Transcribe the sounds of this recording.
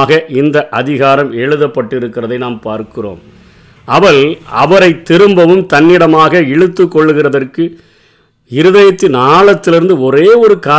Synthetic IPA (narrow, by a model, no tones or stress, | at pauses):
ɣɐʔɪnd̪ɐʔɐðɪɣaːɾɐmɛɻɯðɐpːɐʈːɪɾɯkːɪrɐðɐɪnaːmpaːɾkɪro̰ːm | ɐʋɐɭɐʋɐɾɐɪt̪ːɪɾɯmbɐʋɯmt̪ɐnːɪɽɐmaːɣɐɛɻɯt̪ːɯkːɔɭːɯɣɪrɐðɐrkɯ | ɪɾɯðɐjɐt̪ːɪnaːɭɐt̪ːɪlɪɾɯnd̪ɯɔɾeːɔɾɯkaː